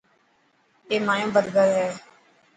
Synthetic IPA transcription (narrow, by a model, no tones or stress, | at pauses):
eːmaːjõːbəd̪ɡəɾɦɛː